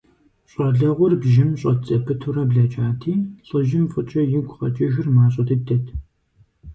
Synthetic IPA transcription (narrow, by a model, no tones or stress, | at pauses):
ɕʼɔɮɐʁʷʊrbʒɪmɕʼɐt͡sʼɐpʰɨtʰurɐbɮɐt͡ʃʼaːtʰiːɕʼɐʒɪmfʼɨt͡ʃʼɐjɪɡʷχɐ̰t͡ʃʼɪʒɪrmaːɕʼɐtʰɨdɐtʰ